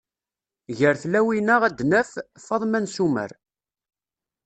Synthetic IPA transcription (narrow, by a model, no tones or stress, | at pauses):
ʝəɾθlæwinəʁæd̪nəffɑðˤmænsumə̰ɾ